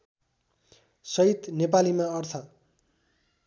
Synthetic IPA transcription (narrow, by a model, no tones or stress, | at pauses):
sʌit̪nepalimaʌrt̪ʰʌ